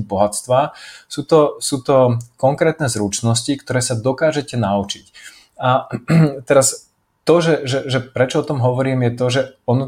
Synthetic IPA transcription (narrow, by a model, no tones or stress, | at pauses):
bɔɦat͡st̪ʋaːsuːt̪ɔsuːt̪ɔkɔŋkɾɛːt̪nɛːzɾut͡ʃnɔscikt̪ɔɾɛːsad̪ɔkaːʒɛcɛnaut͡ʃic | at̪ɛɾas | t̪ɔʒɛʒɛʒɛpɾɛt͡ʃɔɔt̪ɔmɦɔʋɔɾiːmjɛt̪ɔʒɛɔn